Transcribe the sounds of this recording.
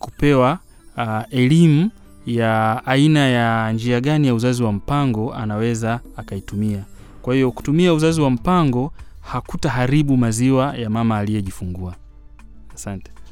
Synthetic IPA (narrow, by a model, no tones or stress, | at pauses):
kupɛwa | ɛlimu | jaːinajand͡ʒiaɠanijauzaziwam̩paŋɡɔa̰nawɛzaːkaitumia | kwahijɔku̥tumiauzaziwam̩paŋɡɔhakutaɦaɾiɓumaziwajamamaːlijɛʄifuŋɡuaː | santɛ̥